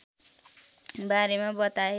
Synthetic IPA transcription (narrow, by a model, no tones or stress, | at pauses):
baɾemabʌt̪ae